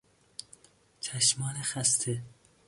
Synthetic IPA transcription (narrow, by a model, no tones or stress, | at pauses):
t͡ʃʰæʃmɒːnexæst̪ʰe